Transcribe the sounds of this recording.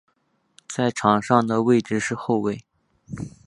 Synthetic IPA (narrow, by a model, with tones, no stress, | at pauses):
t͡sa˥˩ɪʈ͡ʂʰɑ˨˩ŋʂɑ˥˩ŋd̪ə˩we˥˩ɪʈ͡ʂɻ̩˥˧ʂɻ̩˥˧xo˥˧ʊwe˥˩ɪ